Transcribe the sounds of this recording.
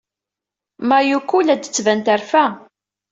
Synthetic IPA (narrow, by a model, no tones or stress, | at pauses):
mæjukːulæd̪ə̥t͡sːvænt̪æɾfæ